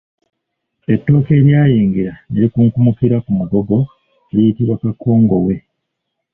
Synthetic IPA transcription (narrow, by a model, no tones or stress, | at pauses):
e̞tːo̞ːke̞ːɾjaːjiːŋɡiɾaneɾikuŋkumukiɾakumuɡo̞ɡo̞ | lijitiβakakːo̞ːŋɡo̞we̞